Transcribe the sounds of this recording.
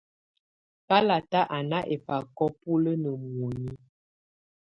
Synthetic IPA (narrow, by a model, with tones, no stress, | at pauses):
pa˦la˨ta˦ʔa˨na˦ʔe˨pa˨kɔ˦pu˦lə˦nə˨m˨o˨ɲi˦